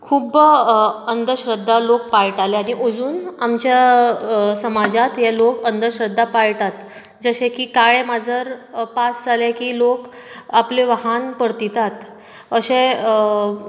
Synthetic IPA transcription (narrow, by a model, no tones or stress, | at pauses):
kʰuːb | ənd̪əɾɕɾəd̪ʱːalok̚paɭʈaleaɽ̃iʔod͡zuːnamt͡ɕja | səmad͡zat̪jalokənd̪əɾɕɾəd̪ʱːapaɭʈat̪ | d͡zəɕẽkiːkaɭemad͡zʱəɾpasd͡zalekiːlok | apleʋəɦanpəɾt̪it̪at̪ | əɕẽ